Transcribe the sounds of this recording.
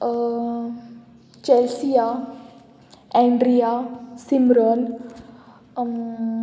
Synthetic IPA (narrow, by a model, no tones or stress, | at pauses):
t͡ɕɛlsija | ɛ̃ɳɖɾijasimɾən